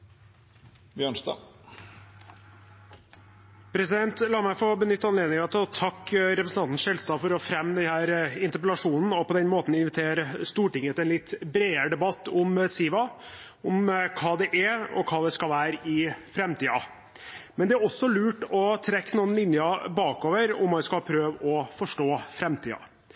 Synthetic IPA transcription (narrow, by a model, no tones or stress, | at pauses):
bjœɳsd̪ɑ̰ː | pʰɾɛsɪd̪ɛnt̪lɑːmæɪfɔbənʏt̪ːɑnleːd̪nɪŋɑt̪ʰɪɔt̪ʰɑkːɾɛpɾəsn̩ɑnt̪n̩sʂɛlst̪ɑːfɔɾɔfɾɛmːd̪ɛnhæːɾɪnt̪əɾpəlɑʂuːnn̩ɔpɔd̪ɛnmoːt̪n̩ɪnʋɪt̪ʰeːɾəst̪uːʈɪŋːət̪ɪɛnlɪt̪ːbɾeːəɾəɖ̪ɛbɑt̪ːʊmsiːʋɑ | ʊmkʰɑːd̪ɛʔɛɔ̰kʰɑːd̪ɛskɑlʋæːɾəɪfɾɛmt̪iːɑ̰ | mɛnd̪ɛæɾɔsːɔlʉːʈɔt̪ʰɾɛkːnuːənlɪnjɑbɑːkoːʋəɾʊ̰mːɑnskɑpʰɾøːʋɔfɔʂʈoːfɾɛmt̪ʰḭːɑ̰